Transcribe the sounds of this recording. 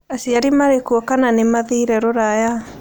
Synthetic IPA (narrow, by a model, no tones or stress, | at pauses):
asiaɾimaɾekuɔkananemaðiɾɛɾoɾaja